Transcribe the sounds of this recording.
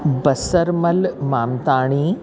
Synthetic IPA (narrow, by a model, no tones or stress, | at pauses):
bɐsəɾmɐlmaːmt̪aːɽ̃iː